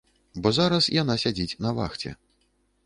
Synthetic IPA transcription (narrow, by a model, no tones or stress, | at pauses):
bɔzaɾɐsjan̪asʲad͡zʲit͡sʲnɐva̰xt͡sʲɛ̰